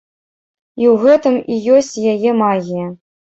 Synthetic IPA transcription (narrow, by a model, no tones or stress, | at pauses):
iwɣɛt̪ɨmijosʲt͡sʲjajɛmaɣʲijɐ